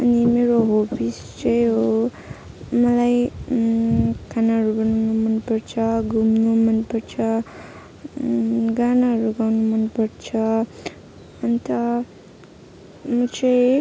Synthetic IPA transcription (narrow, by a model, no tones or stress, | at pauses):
ʌnimeɾoɦopʰis | t͡sʌjɦo | mʌlaj | kʰanaɦʌɾubʌnanumʌnpʌrt͡sʰʌɡumnumʌnpʌrt͡sʰʌ | ɡanaɦʌɾuɡawnumʌnpʌrt͡sʰʌ | ʌnt̪ʌ | mʌt͡sʰʌj